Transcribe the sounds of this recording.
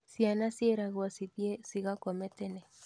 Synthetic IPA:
sianasjeɾaɣwasipjesiɣakomet̪ene

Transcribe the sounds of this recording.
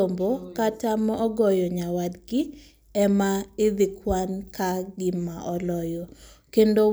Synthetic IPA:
ombokatamɔɔɡɔjɔɲawadɡɪ | ɛmaɪd̪ɪkwankaɡɪmaʔɔlɔjɔkendo

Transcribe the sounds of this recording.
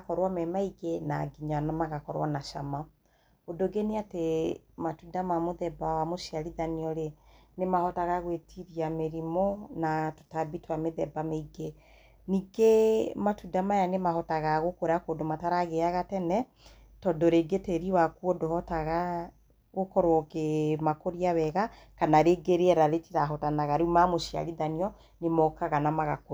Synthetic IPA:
kɔɾwamɛmaiɡenaɡiɲanamaɣakɔɾwanaʃama | odoɡeneate | matudamamoðɛbawamoʃiaɾiðaniɔɾenemahɔtaɣaɣwetʰiɾiameɾimɔnato̥tabitwameðɛbameiɡe | niɡematudamajanemaɦɔtaɣaɣokoɾeakodomataɾaɣeaɣatɛnɛ | tɔdoɾeɡeteɾiwakuɔdohɔtaɣa | ɣokɔɾokemakoɾiawɛɣa | kanaɾeɡeɾeɛɾaɾetiɾaɦɔtanaɣaɾeumamoʃia̰ɾiðaniɔ | nemɔkaɣanamaɣako

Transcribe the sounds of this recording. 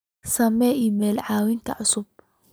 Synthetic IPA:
sɐmɛimɛːlʕɑːwɪŋkʰɐ̰ʕʊsʊb̚

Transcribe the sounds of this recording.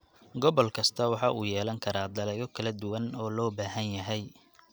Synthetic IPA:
ɡɔβɔlkʰɐst̪ʰɐwɑħɑʔuːjɛːlɐŋkʰɐɾaːd̪ɐlɛɣɔkʰɐlɐd̪ʊwɐnɔːlɔːbaːɦɐnjɐɦɛj

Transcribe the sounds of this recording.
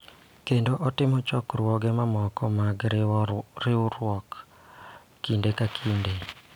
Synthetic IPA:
kendoʔɔtɪmɔt͡ʃɔkrwɔɡɛmamɔkɔmaɡ | rɪʊɾwɔkː | indekakʰinde

